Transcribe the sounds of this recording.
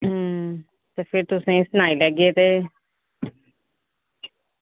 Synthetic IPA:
ɦ | t̪eːpʰɪɾt̪ʊsẽːsənaːiːlɛɡeːt̪eː

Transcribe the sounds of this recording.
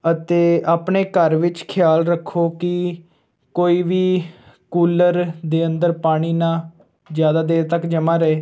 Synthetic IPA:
ət̪eːaːpɳeːkəɾʋɪt͡ʃkʰɪjaːlɾəkʰːoːkɪ | koːiːʋiː | kuːləɾd̪eːənd̪əɾpaːɽ̃iːnãː | zjaːd̪aːd̪eːɾt̪əkd͡ʒəmãːɾɛeː

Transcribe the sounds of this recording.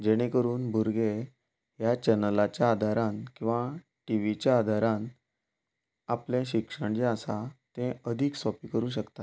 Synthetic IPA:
d͡ʑeɽ̃ẽkəɾuːnbʱuɾɡe | ɦjat͡ɕənəlat͡ɕjaːd̪ʱaɾãnkĩw̃ʋa | ʈiʋit͡ɕjaːd̪ʱaɾãn | apljẽɕikʂəɳd͡ʑẽasat̪ẽəd̪ʱiːksɔpiːkəɾũːɕ̬əkt̪at̪

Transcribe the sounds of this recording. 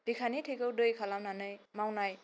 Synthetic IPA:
b̥ikʰanitʰɯjkɯwdɯjkʰalamnanɯjmawnaj

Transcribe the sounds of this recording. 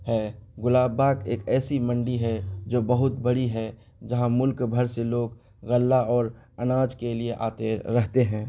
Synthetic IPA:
hɛːɡʊlaːbaːkeːkɛːsimə̃ɳɖiɦɛd͡ʒoːbɐɦʊt̪̚bɐɽiɦɛ | d͡ʒɐɦãmʊlkbʱəɾseloːɡ | ɣɐlːaɔːɾ | ɐnaːd͡ʒkelieʔa̰ːt̪eɾɛɦt̪eɦɛ̃ː

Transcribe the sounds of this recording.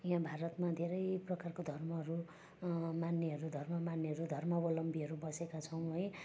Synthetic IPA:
jɦãbʱaɾʌt̪mad̪ʱeɾʌjprʌkarkod̪ʱʌrmʌɦʌɾu | manːeɦʌɾud̪ʱʌrmʌmanːeɦʌɾud̪ʱʌrmʌbʌlʌmbʱiʌɾubʌsekat͡sʰʌw̃ɦʌj

